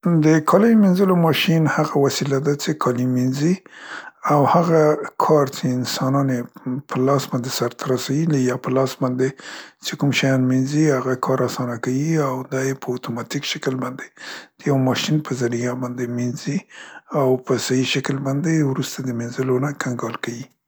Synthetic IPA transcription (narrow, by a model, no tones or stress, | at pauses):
d̪əkʰɑlajminzəlomɑʃinhaɣawasilad̪at͡ʃekʰɑliminzi | awhaɣakʰɑɾt͡ʃeɪnsɑnɑnepʰəlɑsbɑnd̪esaɾt̪ʰaɾasawilijɑpəlɑsbɑnd̪et͡ʃekumʃajɑnminzihaɣakʰɑɾasɑnakawiawd̪ɑjepəat̪omɑt̪ikʃakəlbɑnd̪ed̪̥əjawmɑʃinpʰəzaɾijabɑnd̪eminziawpəsajiʃakəlbɑnd̪ewɾust̪ad̪əmenzəlonakʰaŋɡɑlkawi